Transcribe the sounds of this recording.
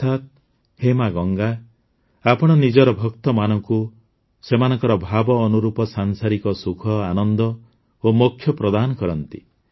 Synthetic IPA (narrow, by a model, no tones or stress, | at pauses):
t̪ʰat̪̚ | hemaɡɔŋɡa | apɔɽ̃ɔnid͡ʒɔɾɔbʱɔkt̪ɔmanɔŋku | semanɔŋkɔɾɔbʱabɔːnuɾupɔsaŋsaɾikɔsukʰɔanɔnd̪ɔ | omokʰːjɔpɾɔd̪anɔkɔɾɔnt̪i